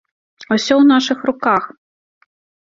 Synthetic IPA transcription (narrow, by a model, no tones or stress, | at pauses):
ɐwsʲɔwnaʂɨxrʊkax